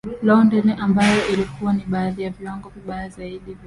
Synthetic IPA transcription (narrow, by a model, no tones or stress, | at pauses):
lɔɔndɛnɛʔambajɔʔilikuwaniɓaːðijavjwaŋɡɔkiɓajazaiɗiv